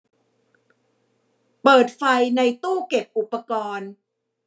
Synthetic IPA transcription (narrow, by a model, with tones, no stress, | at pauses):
pɤː˨˩t̪̚fa˧jna˧jt̪uː˥˩ke˨˩p̚ʔu˨˩pːa˧kɔː˧n